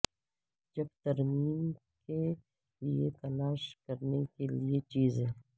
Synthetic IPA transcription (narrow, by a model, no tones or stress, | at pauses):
d͡ʒɐb̚t̪ɐɾmiːm | ke | liḛt̪ɐlaːʃkɐɾnekeliet͡ʃiːzẽː